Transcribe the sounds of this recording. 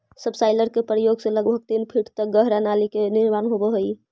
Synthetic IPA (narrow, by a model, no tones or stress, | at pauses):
səbsaɪləɾkepɾəjoɡseləɡbʱəɡ̚t̪inpʰiʈt̪ək̚ɡəɦɾanalikeniɾmanɦobəɦoi